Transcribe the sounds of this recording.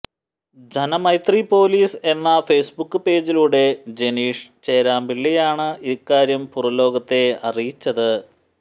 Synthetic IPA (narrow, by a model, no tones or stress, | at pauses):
d͡ʑʱɐnɐmɐjt̪ripo̞ːliːse̞nːɐfeːsbukːɨpe̞ːd͡ʑiluːɽe̞d͡ʑe̞niːʂt͡ɕe̞ːɾaːmbilːɐjaːɳɨikːaːɾjɐmpurɐlo̞ːɡɐt̪ːe̞ɐrijit͡ɕːɐðɨ